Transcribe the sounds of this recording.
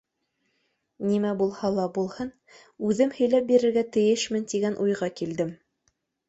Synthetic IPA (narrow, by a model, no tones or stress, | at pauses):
nimæbulˠhɑlˠɑbulˠhɤn | ʉðɘmhɵ̆jlæp̚biɾɘ̆ɾɡæt̪ɘ̆jɘʃmɘnt̪iɡænʔujʁɑkild̪ɘm